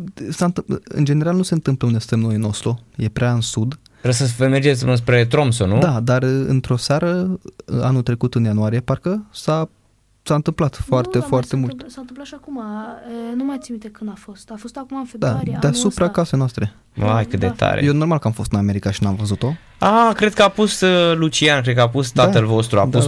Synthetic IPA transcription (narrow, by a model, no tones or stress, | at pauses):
saɨnt̪ɨɨ̰nd͡ʒene̞ɾalnuse̞ɨnt̪ɨmpləunest̪emnojinost̪ɾuje̞pɾʲeaɨnsud̪ | ɾesəvəmerd͡ʒet̪sʲɨnspɾet̪ɾomsonud̪ad̪arɨ̰nt̪ɾo̞saɾə | anut̪ɾe̞kut̪ɨnjanuaɾije̞parkəsa | saɨnt̪ɨmplat̪foart̪e̞foart̪e̞mult̪sant̪ɨmplat̪ʃiakumaənumajt̪simit̪ekɨnafost̪afost̪akumafd̪ad̪easupɾakasejnoast̪ɾe̞ | majkɨt̪̚d̪ḛt̪ʰa̰ɾejeno̞rmalkəamfo̞st̪ɨname̞ɾikaʃinamvəzut̪o̞ | akɾe̞d̪̚kəapust̪əlut͡ʃiankɾed̪̚kəapust̪aəlvo̞st̪ɾua̰dpus